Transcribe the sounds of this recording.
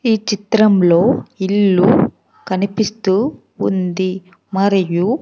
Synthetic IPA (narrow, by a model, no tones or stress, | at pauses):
iːt͡ʃit̪ɾɐmlo̞ːilːu | kɐnipist̪uː | nd̪i | mɐɾiju